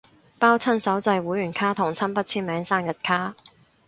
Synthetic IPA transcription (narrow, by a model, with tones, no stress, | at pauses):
paː˥wt͡sʰɐ˥nsɐ˨˥wt͡sɐ˧jwuː˨˥jyː˨˩nkʰaː˥t̪ʰʊ˨˩ŋt͡sʰɐ˥npɐ˥t̚t͡sʰiː˥nmɛː˨˥ŋsaː˥njɐ˨t̚kʰaː˥